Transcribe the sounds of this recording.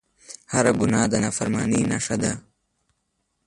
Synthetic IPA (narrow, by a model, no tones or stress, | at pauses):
haɾaɡʊnɑːd̪ənaːfaɾmɑ̰ːnina̰ʂad̪a